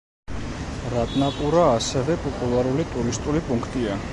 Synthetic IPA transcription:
ɾat̪ʼnapʼuɾaːsɛvɛpʼɔpʼulˠaɾulit̪ʼuɾist̪ʼulipʼuŋkʰt̪ʼia

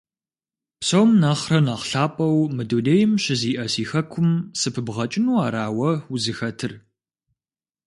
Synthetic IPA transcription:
psowmnɐχrɐnaqɬaːpʼɐwmɨduneːjɪmɕɪziːʔɐsiːxɐkʷʰʊmsɨpʰɨbʁɐt͡ʃʼɪnuːaːɾaːwɐuzɨxɐtʰɨr

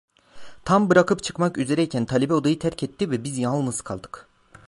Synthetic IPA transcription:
t̪ʰambɯɾakɯpt͡ʃʰɯ̥kmakyze̞ɾɛicʰænt̪ʰalʲebɛo̞d̪ajɯt̪ʰæɾcʰɛt̪ːivɛbizjanlˠnɯzkʰa̰lˠd̪ɯ̥k

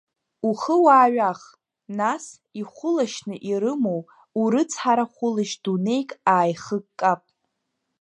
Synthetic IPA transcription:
uχəwaːɥaχ | nas | iχʷʊlaʃnɨʔiɾɨmow | uɾɨt͡sʰħaɾaχʷʊlɨʃd̥une̞jkʼaːjχəɡkʼːapʼ

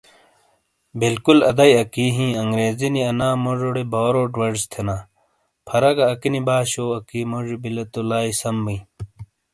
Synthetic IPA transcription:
bilkulɐ̰d̪ɐjɐkiɦĩːɐŋɡɾeːziniɐnaːmoʐoɽebaːɾoːʈwɐɾst̪ʰenaː | pʰɐɾɐɡɐːkinibaːɕoːɐkiːmoʐibilɐt̪olaːisɐmbi

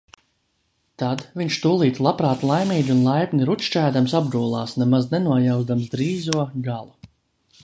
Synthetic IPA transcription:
t̪ad̪viɲʃt̪uːlˠiːt̪lˠapɾaːt̪lˠajmiːd̪ʲunlˠajpʲnʲiɾut̪ʃt͡ʃæːd̪amsabd̪uɔlˠɑːsnɛmaznɛnuɔjawzd̪amsd̪ɾiːzuɔɡalˠu

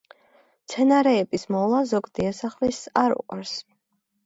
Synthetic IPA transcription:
t̪sʰɛnaɾɛːbismɔlˠazɔɡd̪iasaχlisaɾṵqʼa̰ɾs

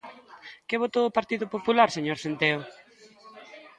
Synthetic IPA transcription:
keβot̪oːpaɾt̪iðʊpopulaɾseɲoɾsent̪eo

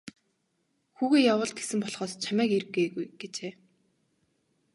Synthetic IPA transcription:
xuːɣeːjawʊːɮt̪̚ɡe̥sɘ̆mpɔɮχɔːst͡ɕʰamæːkir̆eːɣujɡet͡ɕeː

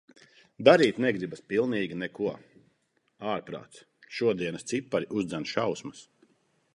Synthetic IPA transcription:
d̪aɾiːt̪nɛɡɾibaspilˠniːɡʲinɛkuɔ | aːɾpɾa̰ːt̪s | ʃuɔd̪iɛnɐst̪sipːaɾiʔuzd̪zɛnʃawsmɐs

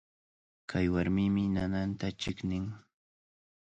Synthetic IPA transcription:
kʰajwaɾmɪmɪnanant̪at͡ʃɪknɪŋ

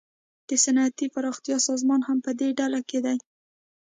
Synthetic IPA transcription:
d̪̥əsanɑat̪ifaɾɑxt̪jɑsɑzmɑnhampəd̪eɖalaked̪aj

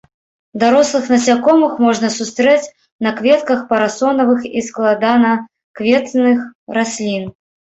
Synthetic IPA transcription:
d̪aɾɔslˠɨxnɐsʲakɔmɨxmɔʐnɐsust̪ɾɛt͡sʲ | nɐkvʲɛt̪kɐxpɐɾasɔnɐvɨxisklˠad̪anɐ | kvʲɛt̪nɨxɾasʲlʲin

